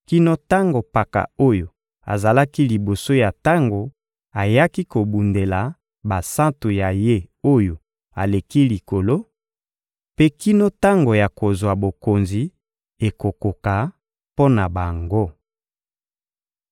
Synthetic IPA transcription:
ki˦no˦ta˦ŋɡo˨pa˨ka̰˨o˦jo˨ | a̰˨za˨la˦ki˦li˨bo˨so˦ja˨ta˦ŋɡo˨ | a˨ja˦ki˦ko˨bu˨nde˨la˨ | ba˨sã˦ntu˨ja˨je˦o˦jo˨ | a˨le˨ki˦li˨ko˨lo˦ | pe˦ki˦no˦ta˦ŋɡo˨ja˨ko˨zwa˨bo˨ko˨nzi˨ | e˨ko˨ko˨ka˨ | po˦na˨ba˨ŋɡo˦

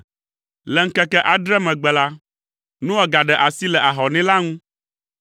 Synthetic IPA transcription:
lɛ˨ŋ̩˦kɛ˦kɛ˦ʔa˨ɖɾɛ˦mɛ̃˨ɡ͡bɛ˨la˦ | nũ˦wɛ˦ɡa˨ɖɛ˨ʔa˨si˦lɛ˨ʔa˨ɦɔ˨nɛ̃˦la˦ŋũ˦

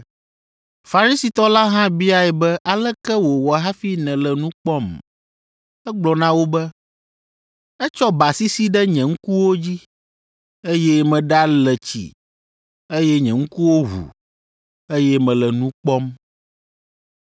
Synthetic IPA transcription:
fa˨ɾi˦si˨t̪ɔ˦la˦ɦã˦bi˦a˨ɛ˨bɛ˦ʔa˨lɛ˦kɛ˦wo˨wɔ˨ɦa˦fi˦nɛ̃˨lɛ˨nũ˦k͡pɔ˦m | ɛ˦ɡ͡blɔ˨nã˦wo˦bɛ˦ | ɛ˦t͡ʃɔ˦ba˨si˦si˦ɖɛ˦ɲɛ̃˨ŋ̩˦ku˦wo˦d͡ʑi˦ | e˦jɛ˦mɛ̃˨ɖa˦lɛ˨t͡ɕḭ˨ | e˦jɛ˦ɲɛ̃˨ŋ̩˦ku˦wo˦ɦṵ˨ | e˦jɛ˦mɛ̃˨lɛ˨nũ˦k͡pɔ˦m

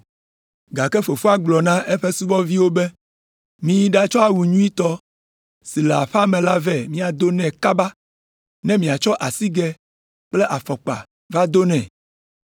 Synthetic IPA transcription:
ɡa˨kɛ˦ɸe˨fu˦a˦ɡ͡blɔ˨nã˦ʔe˦ɸe˦su˦vɔ˦vi˦wo˦bɛ˦ | mĩ˨ji˦ɖa˦t͡ʃɔ˦a˨wu˨ɲũ˦i˦t̪ɔ˦ | si˨le˨a˨ɸa˦mɛ̃˨la˦vɛ˦˨mĩ˦a˨d̪o˦nɛ̃˨ka˦ba˦ | nɛ̃˦mĩ˨a˨t͡ʃɔ˦ʔa˨si˦ɡɛ˦ | k͡ple˦ʔa˨fɔ˨k͡pa̰˨ | va˦d̪o˦nɛ̃˨

